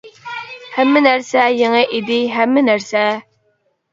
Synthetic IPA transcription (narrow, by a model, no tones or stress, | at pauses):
hæmːɪnæɾsɛjeŋɨʔid̪ɪɦæmːɪnæɾsɛ